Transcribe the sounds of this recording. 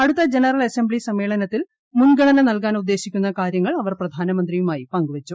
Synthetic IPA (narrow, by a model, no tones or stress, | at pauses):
ɐɽut̪ːɐd͡ʑenɐrɐlɐsembɭisɐmːeːɭɐnɐt̪ːil | munɡʱɐɳɐnɐnɐlkaːnud̪ːe̞ːɕikʲːunːɐkaːɾjɐŋːɐɭɐʋɐrprɐd̪ʱaːnɐmɐnd̪rijumaːjipɐŋɡuʋɐt͡ɕːu